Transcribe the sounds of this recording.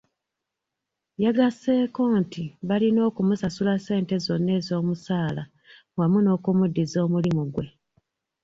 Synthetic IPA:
jaɡase̞ːko̞ːntiβalino̞ːkumusasulase̞ːnte̞zo̞nːe̞ːzo̞ːmusaːla | ŋwamuno̞ːkumudːizo̞ːmulimuɡwe̞

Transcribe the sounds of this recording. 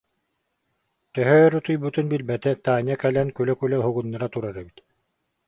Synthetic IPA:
t̪œɦœːɾɔt̪ujbut̪unbilbɛt̪ɛt̪aːɲakɛlɛnkylœkylœɦuɣunːaɾat̪uɾaɾɛbit̪

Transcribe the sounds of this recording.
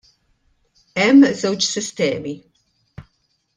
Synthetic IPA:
ɛmːzɛwt͡ʃsɪst̪ɛːmi

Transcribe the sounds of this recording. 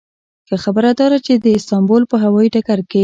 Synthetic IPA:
kəxabəɾad̪ɑɾat͡ʃed̪əɪst̪ɑmbolpəɦawɑjiʈakaɾke

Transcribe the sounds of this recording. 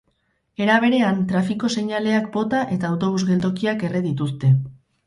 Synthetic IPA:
e̞ɾaβ̞e̞ɾe̞ant̪ɾafiko̞se̞ɲale̞akbo̞t̪aʔe̞t̪aːwt̪o̞β̞uzɣe̞ld̪o̞kiake̞reðit̪ust̪e̞

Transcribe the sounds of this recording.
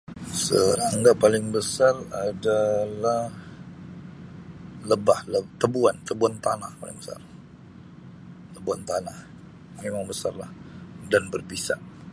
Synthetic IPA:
səɾaŋɡaʔpalɪŋbəsaradalah | ləbahlət̪əbuant̪əbuant̪anahpalɪ̰ŋbəsa̰r | t̪əbuant̪anah | memaŋbəsarlahdanbərbisa̰ʔ

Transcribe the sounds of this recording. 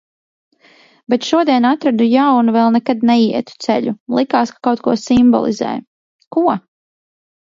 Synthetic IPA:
bɛt̪ʃuɔd̪iɛnat̪ɾad̪ujawnuvɛlˠnɛkad̪nɛjiɛt̪u̥t̪sɛ̰ʎulˠikaːskḁkawt̪̚kuɔsimbɔ̰lˠḭzɛ̰ːj | kuɔ

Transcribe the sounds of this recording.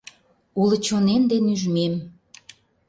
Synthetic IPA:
ulə̆t͡ɕonend̪enyʒmem

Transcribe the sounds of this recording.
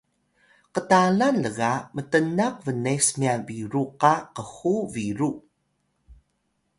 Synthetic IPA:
qətalanləɣamətənak̚vənesmiaviɾuqaqəxuviɾu

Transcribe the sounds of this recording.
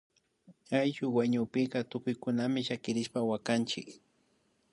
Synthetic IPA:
ajʃʊwaɲʊpɪɢɑt̪ʊkʊjkʊnamɪʃakɪɾɪʃpawakant͡ʃɪ̰k

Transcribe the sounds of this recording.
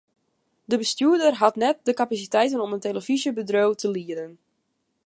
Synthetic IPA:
dəbəstjuədərɦatnɛt̚dəkapasitɛjtənɔmənteləvizəbədrowtʰəliədən

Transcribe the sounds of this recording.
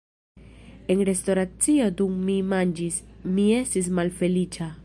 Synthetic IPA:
enɾesto̞ɾat͡sio̞d̪umːimand͡ʒismie̞stis̬malfe̞lit͡ʃa

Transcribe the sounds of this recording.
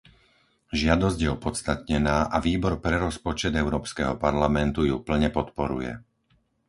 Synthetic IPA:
ʒɪad̪ɔzɟjɛɔpɔt̪st̪at̪ɲɛnaːʔaʋiːbɔɾpɾɛɾɔspɔt͡ʃɛd̪ɛʊɾɔːpskɛɦɔpaɾlamɛnt̪ujupl̩ɲɛpɔt̪pɔɾṵjɛ̰

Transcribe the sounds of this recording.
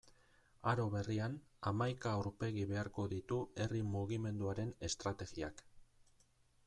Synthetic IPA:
aɾo̞βe̞rianamajkauɾpe̞ɣiβe̞aɾko̞ðit̪ue̞rimuɣ̞ime̞nd̪uaɾe̞ne̞st̪ɾat̪e̞ɣia̰k

